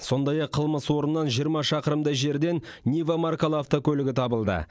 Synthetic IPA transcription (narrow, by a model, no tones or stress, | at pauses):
so̞nd̪ɑjɑqʰːəlˠməswo̞ɾənːɑnʒijəɾmɑʃɑqəɾəmd̪ɑjʒe̞ɾd̪e̞nnʲivamarkolˠaft̪okʲʰɵlɪɡʲɪt̪ʰɑbəlˠd̪ə̰